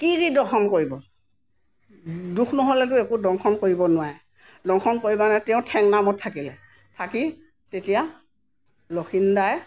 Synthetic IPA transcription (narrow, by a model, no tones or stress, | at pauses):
kiɡidɔxʰɔnkoɹibɔ | duxʰnɔɦolɛt̬ʊekudɔŋxʰɔnkoɹibɔnʊwaj | dɔŋkʰɔnkoɹibanatɛʊ̃tʰɛŋnamɔtʰːakilɛ | tʰaki | tetija | loxʰindaj